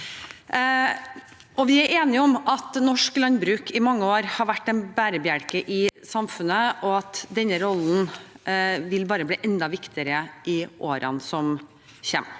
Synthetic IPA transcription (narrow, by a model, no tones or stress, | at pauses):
ʔɔʋɪæɾeːnɪɔmɑt̪nɔʂklɑnbɾʉːkʰɪmɑŋːəoːɾhɑɾʋæʈːɛnbæːɾəbɪæɽkəʔɪsɑmfʉnəʔɔɑt̪d̪ɛnːəɾɔlːn | ʋɪlbɑːɾəbliːʔɛnd̪ɑʋɪkt̪ɪəɾəʔɪʔoːɾɑ̰nsɔm | çɛ̰ːm